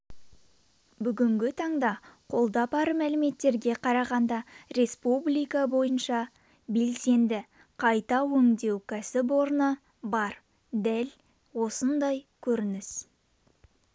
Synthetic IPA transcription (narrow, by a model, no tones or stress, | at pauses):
bʏɡʲɪŋɡʲɪt̪ʰɑɴd̪ɑqʰo̞lˠd̪ɑpɑɾəmælɪme̞t̪ːe̞ɾɡʲe̞qʰɑɾɑʁɑnd̪ɑɾe̞spublʲijkabo̞jənʃɑ | be̞lse̞nd̪ɪ | qʰɑjt̪ɑwɵŋd̪e̞wkʲʰæsɪp̬wo̞ɾnə | bɑɾ | d̪æl | wo̞sənd̪ɑjkʲʰɵɾɪnɪs